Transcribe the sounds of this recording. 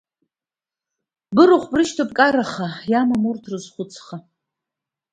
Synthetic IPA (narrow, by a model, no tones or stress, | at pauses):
bɨroχʷbrɨʃtʰopʼkʼaɾaχajamamurtʰrɨzχʷʊt͡sʰχa